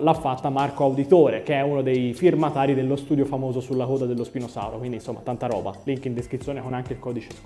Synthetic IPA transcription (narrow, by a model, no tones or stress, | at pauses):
lafːat̪ːamarkoawd̪it̪oːɾek̟eɛunod̪ejfirmat̪aːɾid̪elːost̪uːd̪jofamoːzosulːakoːd̪ad̪elːospinosa̰wɾo̰kwind̪insomːa̰t̪ant̪aɾɔ̰ːba̰liŋkind̪eskɾit̪sjoːnekonaŋkeilkɔːd̪it͡ʃe